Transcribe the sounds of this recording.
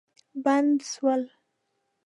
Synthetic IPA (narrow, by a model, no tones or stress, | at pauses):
band̪swəl